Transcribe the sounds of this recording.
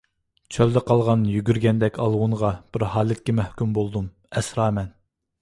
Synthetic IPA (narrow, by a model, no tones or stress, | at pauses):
t͡ʃʰøld̪ɛqʰɑlˠʁɑnjyɡʲyɾɡʲɛnd̪ɛkʲɑlˠwuɴʁɑb̥ɪɾɦɑːlˠɪt̪̚kʲɛmɛhkʲymbolˠd̪um | ɛsɾɑːmɛn